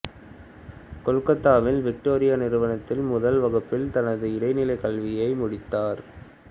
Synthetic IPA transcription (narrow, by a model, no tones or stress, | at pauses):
kɔlkɐt̪ːaːʋɪlʋɪk̚ʈoːɾɪjanɪɾɯʋɐnɐt̪ːɪlmʊðɐlʋɐɣɐpːɪlt̪ɐnɐðɯɪɾɐɪnɪlɐɪkɐlʋɪjɐɪmʊɽɪt̪ːaːɾ